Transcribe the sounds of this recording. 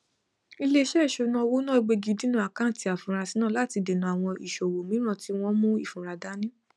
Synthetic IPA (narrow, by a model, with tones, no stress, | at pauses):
i˧le˦ʃɛ˦˨ʃo˨˧nũ˧˦ɔ˧wo˦nã˦˨i˧ɡ͡be˧ɡi˧dĩ˨˦nũ˦a˨kã˦˨ti˨˧a˨fũ˨ɾa˧si˨˦nãː˦˨la˦˨ti˧de˨nũ˨a˨w̃ɔ̃˧ʔi˨ʃo˨wo˨mĩ˨˦ɾ̃ɔ̃˦˨ti˦w̃ɔ̃˦mũ˦i˦˨fũ˨ɾa˧da˨˦nĩ˦